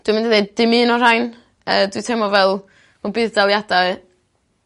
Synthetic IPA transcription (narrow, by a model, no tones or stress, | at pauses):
d̥wimɪndiðeddɨmɨːnɔrajn | ədwitʰɛmɔvɛlˠ | mɔbɨːðdalˠjadaɨ